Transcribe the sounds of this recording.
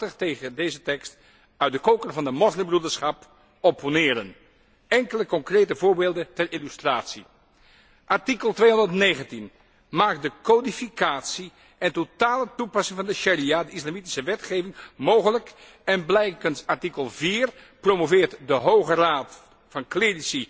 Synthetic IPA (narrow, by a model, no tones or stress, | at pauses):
təχtejχədejzətɛkst | œɥt̚dəkowkərvɑndəmɔzlɪmbrudəɹsχɑp | oponɪːɾən | ɛŋkələkɔŋkrejtəvʊːɹbeːlˠdəntɛrɪlystraːtsi | ʔɑɹtikəlˠtʋejɦɔndətnejχəntin | maːk̚dəkodifikaːtsi | ʔɛntotaːlətupɑsɪŋvɑndəʃariadəislamiti̥səʋɛtχejvɪŋmowχələk | ɛnblɛjkənsɑɹtikəlˠviːrpromovɪːɹtdəɦowχəraːt | fɑnklerisi